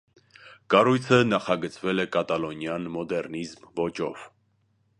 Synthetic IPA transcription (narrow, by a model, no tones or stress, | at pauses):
kɑrujt͡sʰənɑχɑɡət͡sʰvɛlɛkɑt̪ɑlɔnjɑnmɔd̪ɛrnizmvɔt͡ʃɔv̥